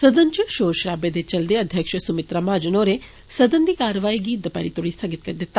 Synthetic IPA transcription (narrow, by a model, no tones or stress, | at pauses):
sɐd̪ənd͡ʒəʃoːɾʃɾaːbed̪et͡ʃɐld̪eɐd̪ʱjəkʃsʊmɪt̪ɾamãːd͡ʒənoːɾe | sɐd̪ənd̪iːkaːɾʋaːiɡiːt̪̚d̪əpɛ̰ɽit̪ʊɽisɐɡɪt̪̚kɐɾd̪ɪt̪ːa